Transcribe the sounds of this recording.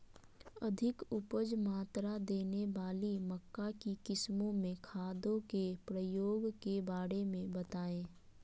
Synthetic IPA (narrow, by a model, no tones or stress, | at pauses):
əd̪ʱɪkʊpəd͡ʒmaːt̪ɾad̪eːneʋaːliməkːakikɪsmõmẽkʰaːd̪õkepɾəjoːɡkebaːɽemẽbət̪aːẽː